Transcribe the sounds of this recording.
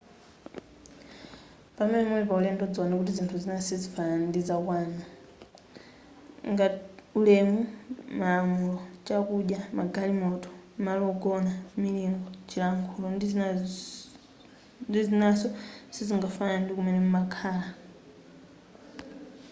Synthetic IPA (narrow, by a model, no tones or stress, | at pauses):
pamɛnɛmɛnɛpaulɛmdɔd͡zɔnakutizintʰuzinasizifanandid͡zakwaːna | ŋɡaulɛmumaːmulɔt͡ʃakuɗjamaɡalimɔtɔ̥malɔɡɔnaminiŋɡɔt͡ʃʰilaŋkʰulɔnd | ndizinasɔsiziŋɡafanandikumɛnɛmumakʰaːla